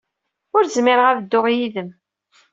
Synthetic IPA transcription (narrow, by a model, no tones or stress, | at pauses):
ʊɾzmɪɾəʁæðəd̪ːʊʁjiðəm